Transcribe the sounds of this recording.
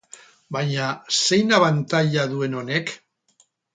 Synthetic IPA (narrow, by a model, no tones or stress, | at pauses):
baɲase̞jnaβant̪aʎaðue̞no̞ne̞k